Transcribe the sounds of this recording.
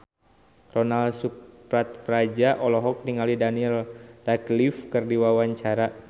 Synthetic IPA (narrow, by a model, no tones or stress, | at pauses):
rɔnalsup | ɾat̪̚pɾad͡ʒaʔɔlɔɦɔk̚niŋalidaniɛldaklifkərdiwawaɲt͡ʃaɾa